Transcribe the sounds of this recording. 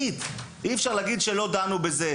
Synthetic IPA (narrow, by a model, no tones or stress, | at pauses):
id̪ | iɛfʃaʁlaːɡid̪ʃelo̞d̪anubeze